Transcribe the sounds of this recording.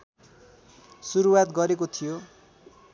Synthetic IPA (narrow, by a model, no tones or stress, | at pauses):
suɾuwat̪ɡʌɾekot̪ʰijo